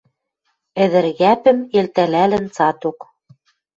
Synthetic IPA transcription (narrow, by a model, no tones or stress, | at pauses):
ɘ̆ðɘ̆ɾɣæpɘ̆melt̪ælælɘ̆nt͡sɑt̪ok